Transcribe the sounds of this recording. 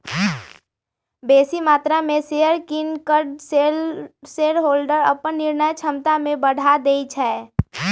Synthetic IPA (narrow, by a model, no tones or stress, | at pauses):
beːsimaːt̪ɾamẽsejəɾkɪnkəɾɖseseːɽɦoːlɖəɾə̰pənːɪɾnəjt͡ʃʰəmt̪amẽbəɽ̤ʱad̪eːit͡ʃʰɛɛ